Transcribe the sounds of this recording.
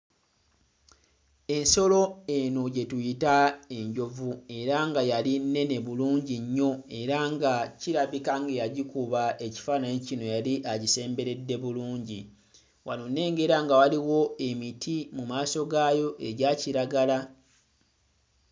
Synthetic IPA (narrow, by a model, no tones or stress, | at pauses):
e̞nso̞lo̞e̞no̞ɟe̞tujitae̞ɲɟo̞vue̞ɾaŋɡajalinːe̞ne̞βuluːɲɟiɲːo̞e̞ɾaŋɡaciɾaβikaŋɡejaɟikuβaʔe̞ci̥faːnaɲicino̞jaliʔaɟise̞ːmbe̞ɾe̞dːe̞βuluːɲɟi | wanone̞ːŋɡe̞ɾaŋɡawaliwo̞e̞mitʰimumaːso̞ɡajo̞ʔe̞ɟaciɾaɡala